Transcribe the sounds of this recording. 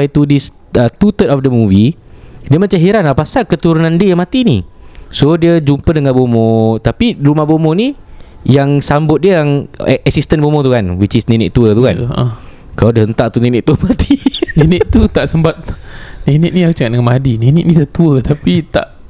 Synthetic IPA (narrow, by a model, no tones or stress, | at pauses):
ajit̪udis | ət̪ut̪ətɔfdəmũvi | diəmat͡ʃaɦiɾanapasalkət̪uɾunandiəjaŋmat̪inisodiəd͡ʒumpədəŋanbomɔ̃t̪apiɾumahbomonijaŋsambʊt̪̚diəjaŋʔɛsist̪ənbomɔt̪ukanwit͡ʃisninɪʔ̚t̪uət̪ukanʔə | kaladəɦənt̪aʔt̪uninɪ̃ʔ̚t̪uəmat̪ininɪt̪ut̪aʔsəmbat̪̚ninɪʔ̚nĩaut͡ʃəŋaʔdəŋanmadininɪʔ̚nĩdət̪uət̪apit̪a̰ʔ